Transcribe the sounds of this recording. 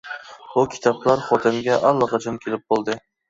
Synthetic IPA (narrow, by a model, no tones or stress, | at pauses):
ʊkʲʰɪ̥t̪ʰɒblaɾχɒt̪ʰɪnɡʲaʔalːɑqɑt͡ʃʰɪnkʲʰelɪp̚bolˠd̪ɪ